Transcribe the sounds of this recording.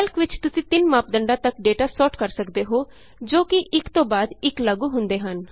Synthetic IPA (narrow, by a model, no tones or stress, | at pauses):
ɐlkʋɪt͡ʃt̪ʊsĩːt̪ɪnmaːp̚d̪əɳɖãːt̪əkɖeːʈaːsɔːʈkəɾsəkd̪eːɦoː | d͡ʒoːkɪʔɪkt̪õːbaːd̪ɪkləɡuːɦʊ̃nd̪eːɦən